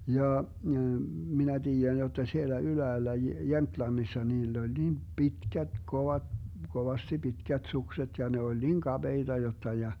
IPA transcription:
jɑː minæ tiːjæn jotːɑ sielːæ ylæːlːæ jemtlɑnːisːɑ niːlː olʲ niːm pitkæt koʋɑ koʋɑsti pitkæt sukset jɑ ne olʲ niŋ kɑb̥eid̥ɑ jotːɑ jɑ

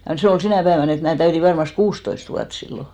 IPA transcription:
jɑ se ol sinæˑ pæeʋæn et mæː tæyti ʋɑrmɑst kuːstoist ʋuɑt silːo

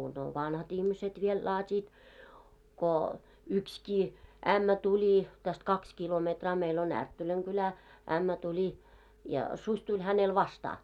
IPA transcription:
no ʋɑnhɑt ihmiset ʋiel lɑːtʲiːt ko ykskiː æmːæ tulʲi tæst kɑks kilometrɑː meil on ærtːølæŋ ɡ̊ylæ æmːæ tulʲi jɑ susʲ tulʲ hænel ʋɑstɑː

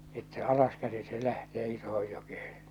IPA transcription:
etːæ ɑlɑskæsi se læhteː isohoj jokehe̥

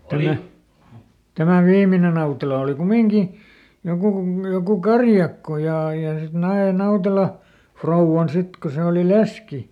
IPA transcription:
tæmæ tæmæ ʋiːmine nɑutelɑ oli kumiŋki jokuˑ ku jokuˑ kɑrjɑkːo jɑˑ jɑ sit nɑe nɑutelɑ frouʋːɑn sit ko se oli leski

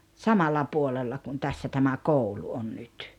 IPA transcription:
sɑmɑlːɑ puolelːɑ kun tæsːæ tæmæ koulu on nyt

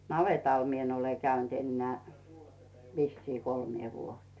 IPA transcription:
nɑʋeˑtɑl mie n ole kæynt enːĕæˑ ʋisːiː kolmĭeˑ ʋuotĭe̥

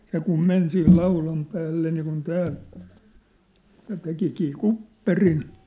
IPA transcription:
se kum men sih lɑulɑm pæːlːe niːkun tæː jɑ tekikiː kupːerin

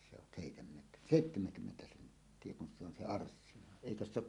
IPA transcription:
se on seˑitemːet seˑitːemeŋkymːentæ sentːie kun se on se ɑrsːinɑ eˑikøs se ok

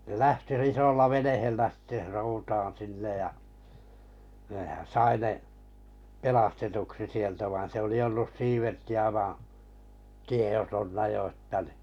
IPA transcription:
ne læhti r isolːɑ ʋenehelːæ si̥tːe soutɑːn sinːej jɑ neˑhæn̞ sɑi ne pelɑstetuksi sieltæ ʋɑin se oli olːus ʋɑ̃ː tiej̆otonːɑ jo ə̆tːæ ni

